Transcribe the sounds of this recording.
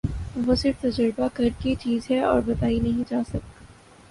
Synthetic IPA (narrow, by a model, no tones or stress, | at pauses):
ʋosɪɾft̪ɐd͡ʒəɾbakɐɾkit͡ʃiːzɦɛɔ̰ːɾbɐt̪aːinɐɦĩd͡ʒaːsɐk̚t̪a